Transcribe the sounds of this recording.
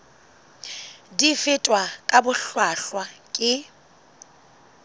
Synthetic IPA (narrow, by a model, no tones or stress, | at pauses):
difɪtʼwakʼabʊɬwaɬwakʼɪ